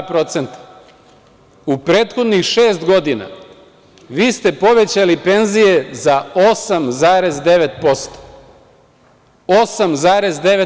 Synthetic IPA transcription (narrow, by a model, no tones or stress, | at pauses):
pɾo̞t̪se̞nt̪ḁ | upɾe̞ːt̪xo̞d̪nixʃe̞ːst̪ɡo̞d̪ina̰ | ʋiːst̪e̞po̞ʋe̞t͡ɕalipe̞nzije̞zao̞samzaːɾe̞zd̪e̞ʋe̞t̪po̞st̪o̥ | osamzaːɾe̞zd̪e̞ʋe